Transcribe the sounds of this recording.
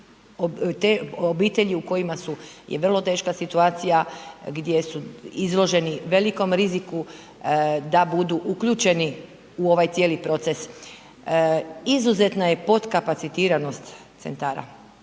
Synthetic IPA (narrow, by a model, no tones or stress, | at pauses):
ot̪eobiːt̪eʎiuko̞jimasujʔeʋr̩lˠo̞t̪e̞ːʃkasit̪uaːt̪sijaɡd̪je̞suizlˠo̞ʒe̞niʋe̞liko̞mɾiziku | d̪abud̪uʔukʎuːt͡ʃe̞ni | uo̞ʋajt̪sje̞ːlipɾo̞t̪se̞s | izuze̞t̪naje̞po̞d̪kapat̪sit̪iːɾano̞st̪ | t̪sḛnt̪aːɾa̰